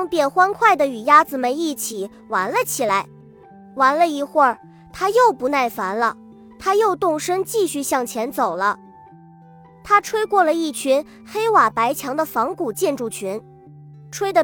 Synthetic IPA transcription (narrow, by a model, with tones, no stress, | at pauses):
ŋpjɛ˥˩nxwa˥nkʰwa˥˩ɪd̪ə˩y˨˩ja˥d͡zɹ̩˨˩mə˧ni˥˩t͡ɕʰi˨˩ | wa˧˥nlə˧t͡ɕʰi˨˩la˧˥ɪ | wa˧˥nlə˧i˧˥xwə˥˩ | t̪ʰa˥jo˥˩ʊpu˧˥na˥˩ɪfa˧˥nlə̰˧ | t̪ʰa˥jo˥˧ʊt̪ʊ˥˩ŋʂə˥ŋt͡ɕi˥˧ɕy˥˧ɕjɑ˥˩ŋt͡ɕʰjɛ˧˥nt͡so˨˩ʊlə˦ | t̪ʰa˥ʈ͡ʂʰwe˥ɪkwɔ˥˩lə˩i˥˩t͡ɕʰy˧˥n | xe˥ɪwa˨˩pa˧˥ɪt͡ɕʰjɑ˧˥ŋd̪ə˧fɑ˧˥ŋku˨˩t͡ɕjɛ˥˧nʈ͡ʂu˥˩t͡ɕʰy˧˥n | ʈ͡ʂʰwe˥ɪd̪ə˨